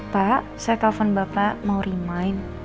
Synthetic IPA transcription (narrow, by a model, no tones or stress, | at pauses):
paʔsajat̪afɔnbapamawɾimajn